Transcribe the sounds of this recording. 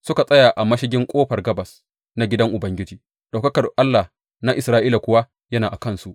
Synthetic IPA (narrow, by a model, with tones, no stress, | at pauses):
sʊ˦ka˨sʼɐ˦jaː˨ʔa˨mɐ˦ʃɪ˦ɡʲɪ˦ŋkʷʼoː˦ɸɐ˨rɡɐ˦bɐ˨s | na˨ɡʲɪ˦dɐ˦ŋʔʊ˨bɐ˦ŋɡʲɪ˦d͡ʒiː˦ | ɗ̥a˨wkɐ˦kɐ˨rʔa˦lːa˨ | na˦ʔɪ˨sɾaː˦ʔiː˦la˨kʷʊ˦wa˦ | jɐ˦naː˨ʔa˨kɐ˦nsu˦ʔ